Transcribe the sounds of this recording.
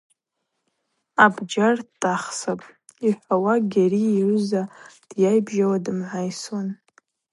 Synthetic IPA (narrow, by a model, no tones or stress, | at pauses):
abd͡ʒartʼaχsapʼ | iħʷawaɡʲariːrɨzad̥jajbʒawadɨmʕʷajswan